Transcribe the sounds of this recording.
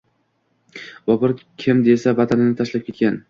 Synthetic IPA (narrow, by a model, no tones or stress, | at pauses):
vɒbɪɾkʲʰɪmd̪e̞savat̪ʰanɪnɪt̪ʰaʃlap̚kʲʰe̞t̪̚kʲan